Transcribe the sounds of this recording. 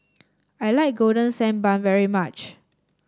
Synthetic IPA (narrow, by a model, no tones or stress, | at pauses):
ajlaɪk̚ɡodə̃nsɛ̃nbãnvɛɹimat͡ʃ